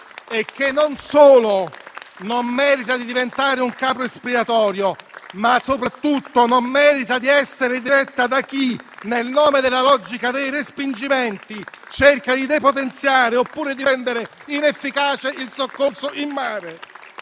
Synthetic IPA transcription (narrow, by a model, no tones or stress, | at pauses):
ek̟ːenːonsoːlonomːɛːɾit̪ad̪id̪ivent̪aːɾeuŋkaːpɾoespiat̪ɔːɾjomasːopɾat̪ːut̪ːonomːɛːɾit̪ad̪iɛsːeɾed̪iɾɛt̪ːad̪ak̟ːinelnoːmed̪elːalɔd͡ʒikad̪ejrespind͡ʒimɛnt̪it͡ʃerkad̪id̪epot̪ent̪sjaːɾeopːuːɾed̪iɛnd̪eɾeinefːikaːt͡ʃeʔilsokːorsoʔimːaːɾe